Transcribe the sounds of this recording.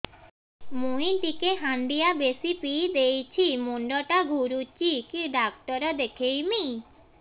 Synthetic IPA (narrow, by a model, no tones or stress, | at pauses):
muĩt̪ikeɦand̪ijabesipid̪ejt͡ʃʰimuɳɖɔʈaɡʱuɾut͡ʃikiɖak̚ʈɔɾɔd̪ekʰejmi